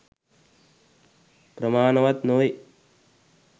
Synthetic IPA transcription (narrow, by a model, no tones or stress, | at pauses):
pɾɐmaːnɐʋɐt̪noːj